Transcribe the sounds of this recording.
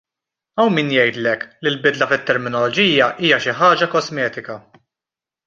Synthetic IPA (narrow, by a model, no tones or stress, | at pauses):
ɐwmiːnjɛjt̪lɛklɪlbɪd̪lɐfɪt̪ːɛɾmɪnɔlɔd͡ʒiːjɐʔiːjɐʃɪħɐːd͡ʒɐkɔzmɛːt̪ɪkɐ